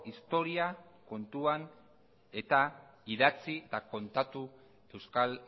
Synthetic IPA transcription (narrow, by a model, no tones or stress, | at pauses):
ist̪o̞ɾiako̞nt̪uan | e̞t̪aiðat͡sit̪ako̞nt̪at̪u | e̞wskal